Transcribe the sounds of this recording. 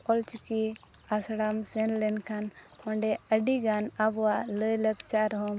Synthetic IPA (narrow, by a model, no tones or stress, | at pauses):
ɔlt͡ʃkiasɽamsɛnlɛnkʰan | ɔɳɖɛəɖiɡanabɔwaləjləkt͡ʃaɾɦɔm